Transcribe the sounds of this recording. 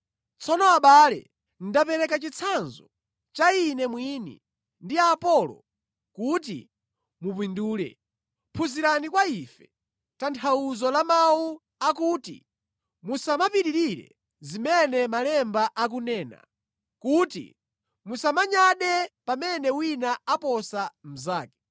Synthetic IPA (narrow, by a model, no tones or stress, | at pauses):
t͡sʰɔnɔaɓaːlɛ̰ | n̩dapɛɾɛkat͡ʃit͡sʰanzɔ | t͡ʃainɛmwiːnḭ | ndiapɔlɔ̰ | kut̬ḭ | mup̬winduːɾɛ̰ | pʰuziɾanikwaifɛ | tantʰawuzɔlamawu | akuːtḭ | musamapiɾiɾiɾɛ̰ | zimɛnɛmalɛmbaʔak̬unɛːna̰ | kutḭ | musamaɲaɗɛpamɛnɛwinaapɔsam̩zaːkɛ̥